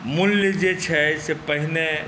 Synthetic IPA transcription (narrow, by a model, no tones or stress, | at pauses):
mulːjəd͡ʒet͡ʃʰɛsepəɦine